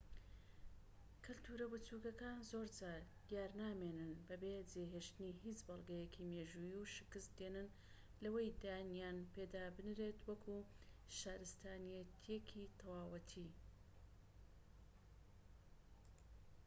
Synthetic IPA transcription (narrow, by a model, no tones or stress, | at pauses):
kʰɨlt̪ʰuːɾɐbɨt͡suːkɐkaːnzo̞ɾd͡ʒaːɾ | jaːɾnaːmenɨnbɐbed͡zeɦeʃt̪ɨnihit͡ʃbɐlˠɡɐjekʰimeːʒujiuʃɨ̥kɨst̪d̪enɨn | lɐwejd̪anjaːnpʰed̪aːbɨnɾe̞t̪wɐkʰuʃaːɾɨst̪aːnijet̪ʰijekʰit̪ʰɐwaːwɐt̪ʰi